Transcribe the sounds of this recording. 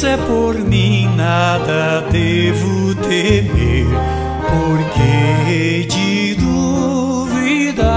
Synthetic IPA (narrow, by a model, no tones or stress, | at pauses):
ɛpoɾmĩnad̪ɐd̪evʊt̪emew | poɾkeed͡ʒi | d̪u | vid̪ɐ